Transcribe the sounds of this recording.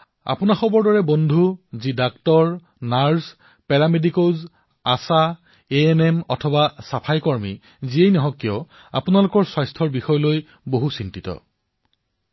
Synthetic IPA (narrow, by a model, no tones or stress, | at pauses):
a̰punaxɔbɔɹdɔɹɛbɔndʱuzidaktɔɹ | naɹs | pɛɹamedikoz | asa | eenɛmɔtʰɔbasapʰajkɔɹmi | ziejnɔɦɔkːjɔ | a̰pʊnalʊkɔɹswajstʰɔɹbixɔjɔloj | boɦusintitɔ̰